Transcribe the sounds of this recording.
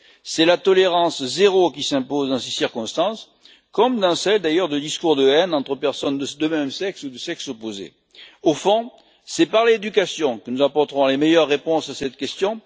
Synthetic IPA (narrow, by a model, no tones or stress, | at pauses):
sɛlat̪ɔleʁɑ̃szeʁokʲisɛ̃pozd̪ɑ̃sesiʁkɔ̃st̪ɑ̃s | kɔmd̪ɑ̃sɛld̪ajœʁd̪əd̪iskuʁd̪əɛnɑ̃t̪χəpɛʁsɔnd̪əd̪əmɛmsɛksud̪əsɛksopozḛ | ofɔ̃ | sɛpaʁled̪ykasjɔ̃kənuzãpɔʁt̪əʁɔ̃lemejœʁːepɔ̃sasɛt̪kʲɛst̪jɔ̃